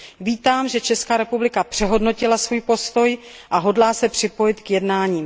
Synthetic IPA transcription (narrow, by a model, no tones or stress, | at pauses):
viːt̪aːmʒɛt͡ʃɛskaːɾɛpublɪkapr̥ɛɦo̞dno̞cɪlasvuːjpo̞st̪o̞j | ʔaɦo̞dlaːsɛpr̥ɪpo̞jɪt̪kjɛdnaːɲiːm